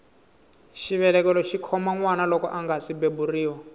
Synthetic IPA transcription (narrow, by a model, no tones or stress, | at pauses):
ʃiβɛlɛkɛlɔʃikʰɔmaŋwanalɔkɔ̰ʔaŋɡasibeburiːwɔ